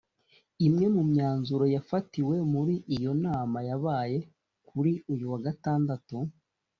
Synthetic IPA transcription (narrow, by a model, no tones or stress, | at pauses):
imŋe̞mumɲaːnzuɾo̞jafatiwe̞muɾiʔijo̞naːmajaβaːje̞ | kʰuɾiujuwaɡataːndatu